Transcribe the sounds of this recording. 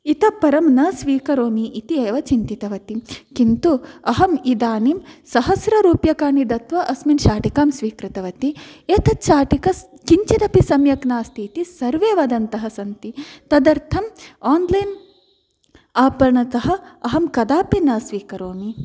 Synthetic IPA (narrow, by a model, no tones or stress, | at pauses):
it̪ɐpːɐɾɐmnɐsʋiːkɐɾoːmiʔːt̪ieːʋɐt͡ʃint̪it̪ɐʋɐt̪ikint̪uɐɦɐmid̪aːnimsɐɦɐsɾɐɾuːpjɐkaːnid̪ɐt̪ʋɐʔɐsminʃaːʈikaːmsʋiːkɾit̪ɐʋɐt̪ieːt̪ɐt̪ʃaːʈikɐs | kiɲt͡ʃid̪ɐpisɐmjɐknaːst̪ʰit̪isɐɾʋeːʋɐd̪ɐnt̪ɐɦɐsɐnt̪it̪ɐd̪ɐɾt̪ʰɐmaːnlɐjn | aːpɐɾɐɳɐt̪ɐɦɐ̆ɐɦɐmkɐd̪aːpinɐsʋiːkɐɾoːmi